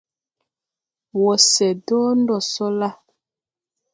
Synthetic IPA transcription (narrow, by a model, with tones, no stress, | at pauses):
wɔ˨sɛ˨dɔː˦n˦dɔ˨sɔ˦la˦